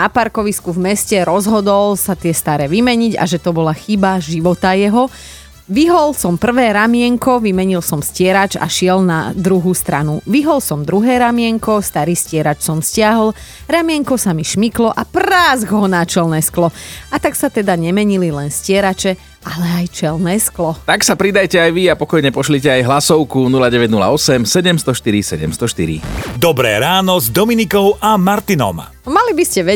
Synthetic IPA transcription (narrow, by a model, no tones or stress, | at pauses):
napaɾkɔʋiskuvmɛscɛɾɔzɦɔd̪ɔlsat̪ɪɛst̪aɾɛːʋimɛɲiɟa̰ʒɛt̪ɔbɔlaxibaʒiʋɔt̪ajɛɦɔ | ʋiɦɔlsɔmpr̩ʋɛːɾamɪɛŋkɔʋimɛɲilsɔmscɪɛɾat͡ʃa̰ʃɪɛlna̰d̪ɾuɦuːst̪ɾa̰nṵʋiɦɔlsɔmd̪ɾuɦɛːɾamɪɛŋkɔst̪aɾiːscɪɛɾat͡ʃsɔmscɪaɦɔl | ɾamɪɛŋkɔsamiʃmiklɔʔapraːzɡɦɔnat͡ʃɛlnɛːsklɔat̪aksat̪ɛd̪aɲɛmɛɲililɛnscɪɛɾat͡ʃɛ | ʔalɛajt͡ʃɛlnɛːsklɔt̪aksapɾid̪ajcɛajʋiapɔkɔjɲɛpɔʃlicɛajɦlasɔʊkunulaɟɛʋɛɟnula̰ɔsɛmsɛɟɛmst̪ɔʃt̪iɾisɛɟɛ̰mst̪ɔʃt̪iɾḭd̪ɔbɾɛ̰ːɾaːnɔzd̪ɔminikɔʊʔamaɾt̪inɔ̰m | malibiscɛʋɛ